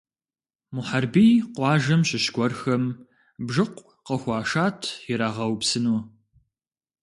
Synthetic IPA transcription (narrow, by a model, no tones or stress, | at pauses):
muħarbiːjqʷɑːʒɐmɕɪɕɡʷɔrxɐm | bʒɨqʷʼ | qɐxʷɑːʃaːtʰjɪɾaːʁɐwpsɨnu